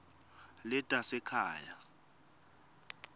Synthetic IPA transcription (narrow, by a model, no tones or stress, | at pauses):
lɛtʼasɛkʰa̰ːja